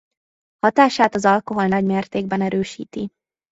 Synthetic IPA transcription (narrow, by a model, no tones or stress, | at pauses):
hɒt̪aːʃaːt̪ɒzɒlko̞ɦo̞lnɒɟmeːrt̪eːɡ̚bɛnɛɾøːʃḭːt̪i